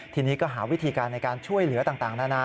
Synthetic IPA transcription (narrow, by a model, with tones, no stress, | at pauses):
t̪ʰiː˧niː˦˥kɔː˥˩ɦaː˩˦wi˦˥t̪ʰiː˧kaː˧nːa˧jkaː˧nt͡ɕʰu˥˩əjlɯ˩˦t̪aː˨˩ŋt̪aː˨˩ŋnaː˥˩na˦˥˩